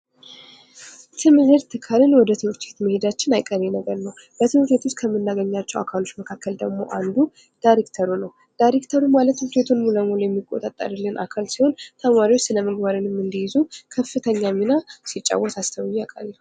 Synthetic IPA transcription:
t̪ʰɨmɨhɨɾt̪ʰːɨkʰaɾɨnwɔd̪ət̪ʰɨwɨɾt͡ʃ̪ʰet̪məhe̞d̪at͡ʃːɪnajkʼəɾenəɡəɾnəw | b̥ət̪ʰɨhɨɾt̪ʰet̪ʰut͡ʃkʰəmːɨnːaɡəɲːat͡ʃːɛwa̰kʰalo̞t͡ʃːməkʰakːəld̪əɡmo̞̰ʔand̪u | d̪̥ajɾekt̪ʰəɾunəw | d̪̥ajɾekt̪ʰəɾumalət̪ɨt͡ʃʰet̪ʰunmuləmulojɛmːikʼːo̞̰t̪ʼat̪ʼːa̰ɾɨlːɨnʔa̰kʰalsiho̞nt̪ʰəmaɾiwot͡ʃːsɨləməɡbaɾɨnɨmːɨnd̪ɨjɪzukʰəfːɨt̪ʰəɲːamːinasit͡ʃʼːa̰wːɔt̪ast̪ʰəwjakʼa̰lː

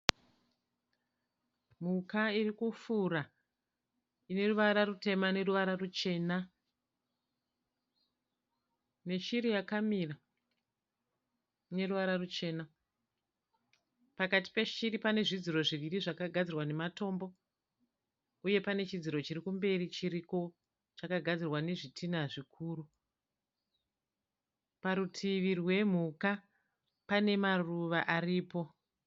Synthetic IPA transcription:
mukairikufura | ine̞ruʋaɾarute̞mane̞ruʋaɾarut͡ʃe̞ːna | ne̞ʃiɾijakamira | ine̞ruʋaɾarut͡ʃe̞ːna | pakati̥pe̞ʃiripane̞ʐid͡ziɾo̞ʐiʋiriʐakaɡʱad͡zirwane̞mato̞mbo̞ | uje̞pane̞t͡ʃid͡ziɾo̞t͡ʃirikumbe̞rit͡ʃiɾiko̞ | t͡ʃakaɡʱad͡zirwane̞ʐitʰinaʐikʰuːru | paɾutʰiʋirwe̞m̤uka | pane̞maruʋaʔariːpo̞

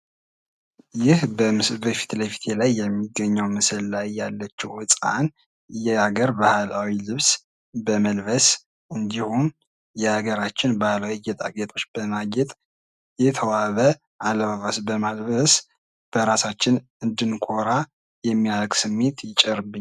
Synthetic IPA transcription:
jɪhbəbəfi̥t̪ləfi̥t̪ʰelajːɛmːiɡːəɲːəwmɨsɨllajːalːət͡ʃːɛwɨsʼa̰n | jɛaɡəɾbahlawilɨβs | bəməlβəs | ʔɨnd̪ihum | jɛhaɡəɾat͡ʃːɪnbahlawijɛt̪ʼa̰ɡɛt̪ʰʼo̞t͡ʃːb̥əmaɡɛt̪ʼ | jɛt̪ʰəwaβə | ʔaləβaβasbəmalβəs | b̥əɾasat͡ʃːɪn | ɨnd̪ɨnkʰo̞ɾa | jɛmːijalkʼsɨmːe̞t̪jɪt͡ʃʼɛɾɨbːɨɲː

